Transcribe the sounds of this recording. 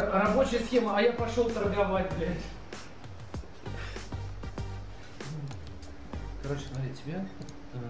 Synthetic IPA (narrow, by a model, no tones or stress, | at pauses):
rɐbo̞t͡ɕɪjəsxʲeməɐjapɐʂolˠt̪ərɡɐvatʲɪlʲɪ | kɐɾot͡ɕɡɐɾʲitʲːɪbʲa